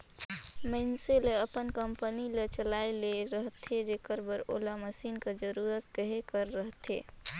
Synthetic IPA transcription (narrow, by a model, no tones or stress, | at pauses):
mənseleəpənkəmpənilet͡ʃəlajleɾəɦt̪ʰed͡ʒekəɾbəɾo̰laməsinked͡ʒəɾuɾət̪kəɦekəɾːəɦt̪ʰḛ